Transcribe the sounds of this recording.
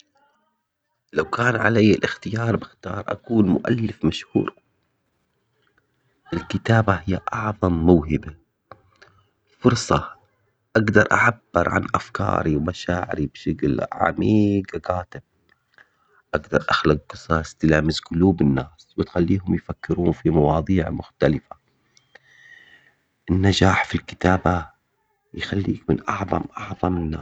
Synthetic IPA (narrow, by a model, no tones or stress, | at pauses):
lawkaːnʕa̰lajːɪlʔɪxt̪ɪjɑːɾˤbɪxt̪ɑ̰ːɾˤʔa̰kuːnmʊ̰ʔa̰lːɪfmaʃhṵːɾ | ʔɪlkɪt̪aːbahɪjːaʔɑʕðˤɑmːʊwɦɪba | fʊɾˤsˤɑ | ʔaɡd̪ɑɾˤʔa̰ʕabːɪ̰ɾʕa̰nʔafkɑ̰ːɾiwmaʃaːʕɪ̰ɾibʃaɡlʕa̰miːɡqaːt̪ɪb̥̚ | ʔaɡd̪ɑɾˤʔaxlaɡqɨsˤɑst̪ɪlaːmɪzqʊluːbɪnːaːswɪt̪xalːiːɦʊmjfakːɪɾuːnfimɑwɑːðˤiːʕmʊxt̪alɪfa | ʔɪnːad͡ʒaːħfilkɪ̥t̪aːba | jxalːḭːkmɪnʔɑʕðˤɑ̰mʔɑʕðˤɑmɪnːaː